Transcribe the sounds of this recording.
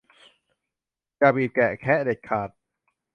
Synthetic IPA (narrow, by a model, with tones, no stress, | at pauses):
kaː˧˩biː˨˩t̪̚kɛ˨˩kʰɛ˦˥de˨˩k̚kʰːaː˨˩t̪̚